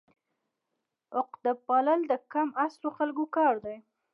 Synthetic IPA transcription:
ʊqd̪əpɑləld̪əkamasloxalɡokɑɾd̪aj

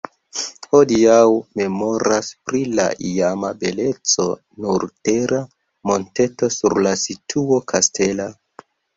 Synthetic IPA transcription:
ho̞diawme̞mo̞ɾaspɾila̰ʔiamabe̞le̞t͡so̞ | nuɾte̞ɾʔa | mo̞nte̞to̞suɾlasitʰuo̞kʰastʰe̞la

